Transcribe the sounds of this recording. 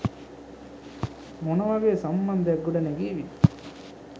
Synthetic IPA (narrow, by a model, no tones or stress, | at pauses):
mɔnɐʋɐʋesɐmbɐnd̪ʱɐɡuɽɐneɡiʋi